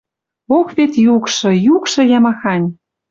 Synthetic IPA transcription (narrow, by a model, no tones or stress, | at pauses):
okβet̪jukʃɤ̆jukʃɤ̆jɑmɑxɑnʲ